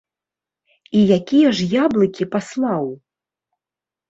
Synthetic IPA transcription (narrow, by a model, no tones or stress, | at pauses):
ijakʲijɐʐjablˠɨkʲipaslˠaw